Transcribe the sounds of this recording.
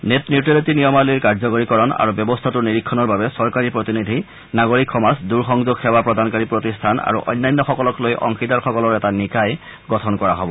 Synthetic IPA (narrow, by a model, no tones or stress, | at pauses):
netniutɹelitinijɔmaliɹkaɹzɔkoɹikɔɹɔna̰ɹubjɔbɔstʰatuɹniɹikʰːɔnɔɹbabɛsɔɹkaɹipɹot̪inid̪ʱi | naɡoɹikʰxɔmasduɹxɔŋzoɡxɛwapɹɔd̪ʱankaɹipɹotistʰana̰ɹṵʔɔ̰jnːajnːɔxɔkɔlɔklojʔɔ̰ŋxitaɹxɔkɔlɔɹɛtanikaj | ɡɔtʰɔnkɔɹaɦɔbɔ